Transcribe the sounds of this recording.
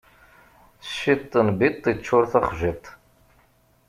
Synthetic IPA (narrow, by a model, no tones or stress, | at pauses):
ʃit̪ˤːənbit̪ˤːit͡ʃːʊɾθaχʒit̪ˤ